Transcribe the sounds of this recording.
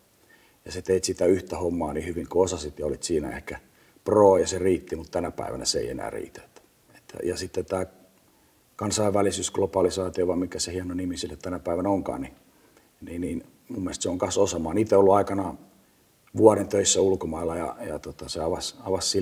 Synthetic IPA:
jɑset̪eit̪sit̪æyht̪æhomːɑːnihyʋiŋkoosɑsit̪jɑolit̪siːnæ̰ḛhkæ | proːjɑseriːt̪ːimut̪t̪ænæpæ̰iʋæ̰næ̰seḛiḛnæ̰ːrḭːt̪æt̪ː | e̥t̪ːæ̰jɑsit̪ːet̪æː | kɑnsɑiʋːælisyːsɡ̥lopɑlisɑːt̪ioʋɑimmikːæsehiɑnonimisilːet̪t̪ænæpæiʋænæoŋkɑ̰ːni | niːniːn | mumːielst̪seoŋkɑnsosɑmɑːniːt̪eiolːuɑikɑnɑ | ʋuɑɾent̪øisːæulkomɑilːɑjɑ̰jɑ̰t̪ot̪ɑseɑʋɑsɑʋɑssi

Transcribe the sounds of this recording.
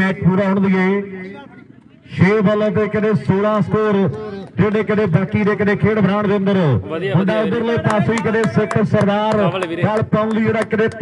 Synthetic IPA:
ɛːʈpuːɾaɦʊɳ̃nd̪ieː | ʃeːbələt̪eːkəɗẽsoːɽãːskoːɾd͡ʒeːɗẽːkəɗẽːbaːkiɾeːkəɗẽːkʰeːɽbʱəɾaːɽ̃ʋẽːnd̪əɾoːɦʊɳɖaːʊd̪əɾləiːpaːsoiːkəɗẽsɪksəɾɡaːɾɡaːlpaːʊ̃nd̪ieːɽakəɗẽːt̪

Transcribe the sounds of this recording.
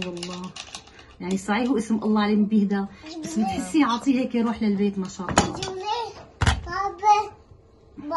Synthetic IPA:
wɑlˤːɑː | jaʕnisˤɑʕiːhuʔɪsmʔɑ̰lˤːɑːʕleːmbɪhd̪abasːbɪt̪ħɪsːiʕɑʕt̪ˤiːheːkjɾuːħlɪlbeːt̪maʃaːʔɑ̰lˤːɑ | ɑb

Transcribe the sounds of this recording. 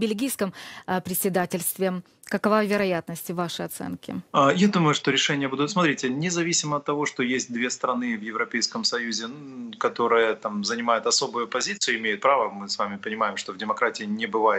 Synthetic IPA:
bʲɪlʲɡʲijskəmpɾʲɪtʲsʲɪd̪atʲɪlʲst̪vʲɪ | kəkɐvavʲɪɾɐjat̪nəsʲtʲɪvaʂɨɐt̪sɛ̰nkʲɪ̰ajad̪uməjʊʂt̪o̞ɾʲɪʂɛnʲɪjəbud̪ʊt̪smɐt̪ɾʲetʲnʲɪzɐvʲisʲɪməɐt̪ːɐvo̞ʂt̪o̞jesʲt̚ʲd̪vʲe̞st̪ɾɐnɨvjɪvɾɐpʲejskəmsɐjuzʲɪkɐt̪o̞ɾɨjət̪amzənʲɪmajʊt̪ɐso̞bʊjʊpɐzʲit̪sɨjʊɪmʲejʊt̪̚pɾavəmɨsvamʲɪpənʲɪmajɪmʂt̪o̞vdʲɪmɐkɾatʲɪɪnʲɪbɨvajɪt̪

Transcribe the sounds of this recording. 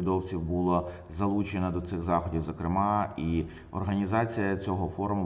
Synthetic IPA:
d̪ɔwt͡sʲiwbulˠɔ | zɐlˠut͡ʃenɐd̪ɔt̪sɪɣzɑxɔdʲiwzɐkɾɪmɑi | ɔ̰rɦɐnʲizɑt͡sʲijɐt͡sʲɔɦɔfɔɾʊmʊ

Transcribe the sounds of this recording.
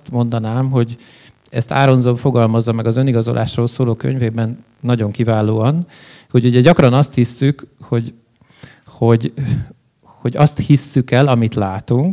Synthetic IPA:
t̪mo̞nd̪ɒnaːmɦo̞ɟ | ɛst̪ʰa̰ːɾo̞nzoɱfo̞ɡɒlmɒzːɒmɛɡɒzø̞niɡɒzo̞lʔa̰ːʃroːlsoːloːkø̰ɲveːbɛnː | ɒɟo̞ŋkivaːloːɒn | ho̞ɟuɟɛɟɒkrɒnɒst̪hisːykho̞ɟ | ho̞ɟ | ho̞ɟɒst̪hisːykɛlɒmit̪laːt̪uŋk

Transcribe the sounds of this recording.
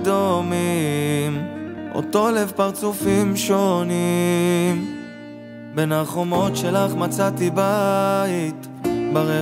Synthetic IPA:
d̪omimo̰t̪o̞levpaʁt͡sufimʃo̞ni | m | benaχomo̞tʃelaχmat͡sat̪ibait̪ | baʁe

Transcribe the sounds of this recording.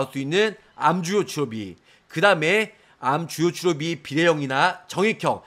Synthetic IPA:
s͈uinːɯn | amd͡ʑujot͡ɕʰuɾʌbḭ | kɯdaɯme̞ | amt͡ɕujot͡ɕʰuɾʌbipiɾe̞jʌŋinat͡ɕʌŋekʰjʌŋ̚

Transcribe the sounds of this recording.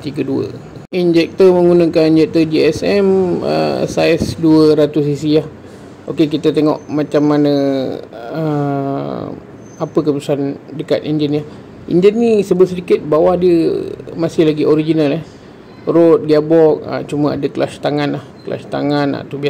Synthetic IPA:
t̪iɡəduə̰ | ind͡ʒɛk̚t̪əməŋɡunəkanind͡ʒɛk̚t̪əd͡ʒiɛsɛmə̰sajsduəɾat̪ʊsisiah | ʔokek̬it̪ət̪eŋɔ̰ʔmat͡ʃamːanə | ə | apək̬əpəsandəka̰t̪ind͡ʒəni | ʔḭnd͡ʒənisəbəls̬ədikɪt̪̚bawahdiəmasɪhlaɡiʔoɾid͡ʒinalɛh | rot̪̚diabɔk̚ə̰t͡ʃuməa̰dəklast̪aŋanlahkla̰st̪aŋanːa̰ʔt̪ubia

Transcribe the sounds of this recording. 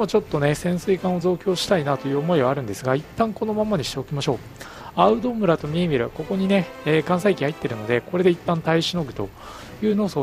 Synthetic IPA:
mot͡ɕo̞t̪ːo̞ne̞sẽ̞ɰ̃sɨikãɰ̃o̞zo̞ːkʲo̞ːɕi̥t̪ainat̪o̞jɯ̟ːomo̞iβaːɾɯ̟̃nd̪e̞sɨɡait̪ːãŋko̞no̞mamaɲ̟iɕi̥t̪e̞o̞kʲimaɕo̞ː | aɯ̟d̪o̞mɯ̟ɾat̪o̞mʲiemʲiɾɯ̟ko̞ko̞ɲ̟ine̞ːkãɰ̃saikʲihait̪ːe̞ɾɯ̟no̞d̪e̞ko̞ɾe̞d̪e̞it̪ːãnt̪aiɕino̞ɡɯ̟t̪o̞ | jɯ̟ːno̞ːsoː

